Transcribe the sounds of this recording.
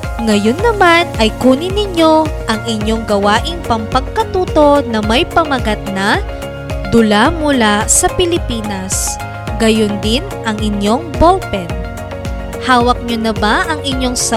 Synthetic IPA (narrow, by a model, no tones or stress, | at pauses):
ŋɐjo̞nːɐmanɐjkuːnɪnɪɲːo̞ʔɐŋʔɪɲːo̞ŋɡɐwaːʔɪŋpɐmpɐɡ̚kɐt̪uːt̪o̞nɐmɐjpɐmɐɡɐt̪̚nɐ | d̪ʊlamʊlasɐpɪlɪpiːnɐs | ɡɐjond̪ɪn | ɐŋɪɲjo̞ŋbolpɛn | haːwɐk̚ɲonɐbaʔɐŋɪɲjo̞ŋsɐ